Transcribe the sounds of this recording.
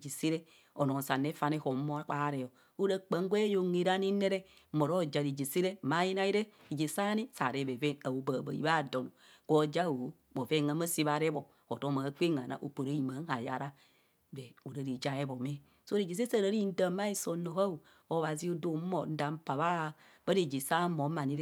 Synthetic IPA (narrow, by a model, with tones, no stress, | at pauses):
d͡ʒi˨si˦ɾe˦ | o˨no˨sa˨ne˦fa˨ne˦ho˨˦mo˦a˦k͡pa˦ɾɛ˨jo˨ | o˦ɾa˦k͡pa˨˦ŋ˦ɡʷe˦jo˨ŋe˨ɾa˦ni˦ne˦ɾe˦ | mo˨ɾo˦d͡ʒa˨ɾi˨d͡ʒi˨si˦ɾe˦˨ma˨˦ji˦na˦i˦ɾe˦ | i˨d͡ʒi˨sa˦ni˦sa̰˨ɾe˨bɛ˨vɛ˦a˨wo˨ba˨ba̰˨ḭ˦βa˦˨do˨no˨ | ko˦d͡ʒa˦˨wo˨˦ | bo˨ve˦˨ŋa˨ma˦si˦βa˨ɾe˦bo˨ | ko˨to˦ma˨˦k͡pe˦ŋa˨na̰˨ʔo̰˨k͡po˨ɾa˦i˨ma˨˦ŋ˦a˨ja˨ɾa˦ | be˨o˨ɾa˨ɾi˨d͡ʒa˦e˦bo˨me˦ | so˦ɾi˨d͡ʒi˨s̬e˦sa˦˨ɾa˨˦ɾi˦n̩˦da˨˦ma˦i˦so˨no˨ka˦u˨ | o˨˦βa˨zi˦o˦do˨˦mo˨˦n̩˦da˨˦m̩˦pa˨βa˦˨ | ba˦ɾe˨d͡ʒi˨sa˦mo˨˦ma˨ni˦ɾ